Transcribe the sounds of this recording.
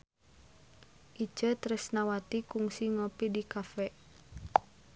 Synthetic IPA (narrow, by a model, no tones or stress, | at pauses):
ʔi̥d͡ʒ̥ət̪ɾɛsnawat̪ikuŋsiŋopidikafɛ